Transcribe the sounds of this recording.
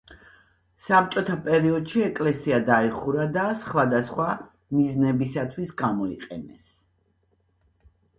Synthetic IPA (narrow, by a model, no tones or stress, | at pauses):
sap̚t͡ʃʼɔt̪ʰapʼɛɾiɔd̪ʃiɛkʼlɛsiad̪aiχuɾad̪asχwad̪asχwa | miznɛbisat̪ʰwisɡamɔḭqʼɛ̰nɛ̰s